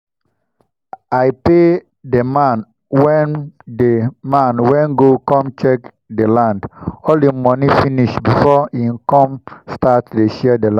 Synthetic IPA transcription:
ajpe | demãn | wɛ̃ndemãnwɛ̃nɡokɔ̃mt͡ʃɛk | delãndɔldemɔnifĩniʃbifɔĩmkɔ̃mstatdeʃɛɛdelã

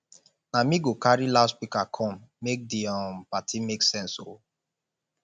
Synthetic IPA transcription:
namĩɡokaɹilaspikakʰɔ̃mːek̚diɔ̃mpatimeksɛ̃nso

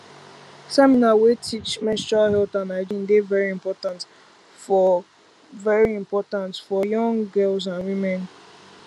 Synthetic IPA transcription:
sɛminawetʰit͡ʃmɛ̃stɹalhɛlθãnaɪd͡ʒĩnɡevɛɹiĩmpɔtãnt | fɔ | vɛɹiĩmpɔtãntfɔjɔ̃ŋɡɛls̬ãnwĩmɛ̃n

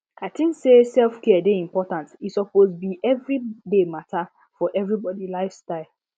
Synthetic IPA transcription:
kʰatĩnsesɛlfkɛadeĩmpɔtãntisɔpozbiʔɛvɹidematʰa | fɔʔɛvɹibɔdilaɪfstaɪl

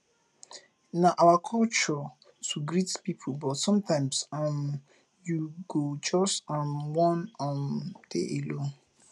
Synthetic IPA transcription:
naʔawakʰɔlt͡ʃɔ | tʰuɡɾitpipʰubɔtsɔ̃mtʰãɪ̃msãm | juɡod͡ʒɔstɔ̃nwɔ̃nɔ̃nd̥ḛʔelo

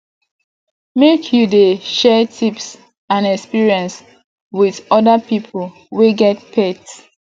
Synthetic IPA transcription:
mekʰjudeʃɛtʰips | ãnɛkspiɹiɛ̃ns | wiðɔdapipʰl̩ | weɡɛt̚pʰɛt

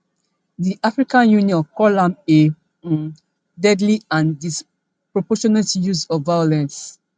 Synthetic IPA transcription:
diʔafɹikãnjũniɔ̃nkɔlãmẽ | dɛdliãndis | pɹɔpɔʃɔnɛtjuzɔvvajɔlɛ̃ns

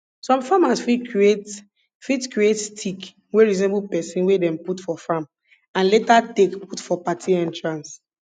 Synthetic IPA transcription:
sɔ̃mfamasfikʰɹiet | fitkɹietstʰik | weɹizɔ̃nebupɛsĩnwedɛ̃mputfɔfam | ãnletatekputfɔpatʰiɛ̃ntɹãns

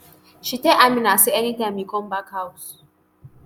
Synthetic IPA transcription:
ʃiteamĩnaseɛnitãɪ̃mikɔ̃mbakhaʊs

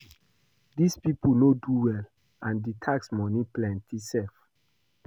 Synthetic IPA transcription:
dispipunoduwɛl | ãnditʰaksmɔniplɛ̃ntʰisɛlf

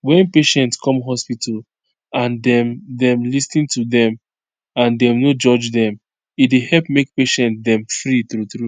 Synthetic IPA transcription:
wɛ̃npeʃɛ̃ntskʰɔ̃mɦɔspital | ãndɛ̃mdɛ̃mlistĩntudɛ̃m | ãndɛ̃mnod͡ʒɔd͡ʒdɛ̃m | idehɛlpmek̚peʃɛ̃ntdɛ̃mfɹiθɾuθɹu

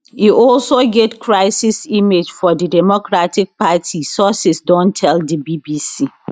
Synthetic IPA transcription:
hiʔɔlsoɡetkʰɹaɪsisimed͡ʒfɔdidɛmokɹatik̚patʰisɔsɪsdɔ̃ntʰɛldibibisi

